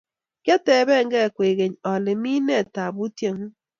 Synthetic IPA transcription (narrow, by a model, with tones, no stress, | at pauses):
kja˦tɛ˨˦βɛ˦˨ŋɡɛ˦˨kwe˨ɣe˨ɲɔ˨lɪ˨mi˦nɛ˦˨ta˨βu˦tje˦ŋu˦